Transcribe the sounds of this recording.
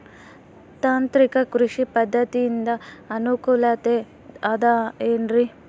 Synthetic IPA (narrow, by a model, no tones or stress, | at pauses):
t̪aːnt̪ɾikɐkɾuʂipɐd̪ʱːɐt̪iːnd̪ɐɐnukuːlɐt̪e | ɐd̪aeːnɾi